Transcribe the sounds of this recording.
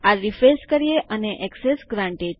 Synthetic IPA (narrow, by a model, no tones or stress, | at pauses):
aɾifeskəɾijeʔəneʔɛksesɡɾãɳʈe